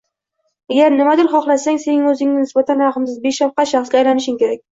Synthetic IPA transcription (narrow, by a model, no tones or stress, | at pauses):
aɡʲaɾnɪmad̪ɪlχɒχlˠasaŋse̞nɪŋɵzɪŋnɪnɪsbat̪ʰanɾaχɨmsɪzbeʃafqɑʃaχsɡʲaːjlanɪʃɪŋkʲe̞ɾak̚ʲ